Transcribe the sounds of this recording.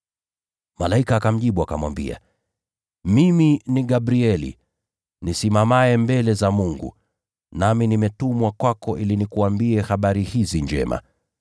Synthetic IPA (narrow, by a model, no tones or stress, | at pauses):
malaikaːkam̩ʄiɓuakamwa̰mbḭa̰ | miminiɠabɾiɛlḭ | nisimamaɛmbɛlɛzamuŋɡṵ | naminimɛtumwakwakɔʔilinikuambiɛhaɓaɾihiziɲd͡ʒɛ̰ma̰